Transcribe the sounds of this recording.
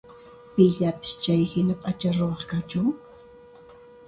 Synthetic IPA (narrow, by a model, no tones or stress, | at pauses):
pɪʎapɪ̥st͡ʃajhɪnapʼat͡ʃaɾowɑχkat͡ʃʊŋ